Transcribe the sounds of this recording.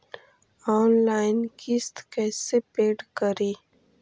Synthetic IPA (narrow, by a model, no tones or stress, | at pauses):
ɔːnlaːjnkist̪kɛːsepeːɖkəɾiː